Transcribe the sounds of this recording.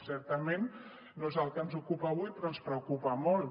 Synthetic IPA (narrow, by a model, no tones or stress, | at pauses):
sɛɾt̪əmenː | oezəlˠkənzukupaːβ̞ujpɾoənspɾəukupamol